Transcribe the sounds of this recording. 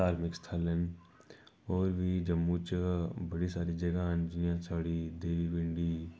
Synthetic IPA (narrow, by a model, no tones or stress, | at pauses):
aːɾmɪkst̪ʰaːlən | ɔːɾʋʱid͡ʒɐmːut͡ʃbɐɽisaːɾid͡ʒɐɡaːnd͡ʒɪnijãt͡ʃʰaːɽid̪eːʋibɪ̃ɳɖi